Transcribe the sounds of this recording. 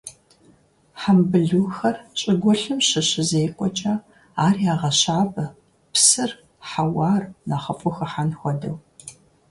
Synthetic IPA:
ħambɨɮuːxɐrɕʼɪɡʷɔɬɨmɕɪɕɪzejqʷʼɔt͡ʃʼɐ | aːrjaːʁɐɕaːbɐ | psɨr | ħawaːrnaːχɐfʼʊxɐħanxʷɔdɐw

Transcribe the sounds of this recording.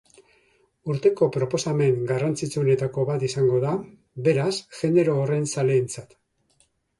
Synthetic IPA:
uɾt̪e̞ko̞pɾo̞po̞same̞ŋɡarant͡sit͡suone̞t̪ako̞βat̪isaŋɡo̞ða | be̞ɾasʝe̞nd̪e̞ɾo̞ːre̞nsale̞ːnt͡sat̪

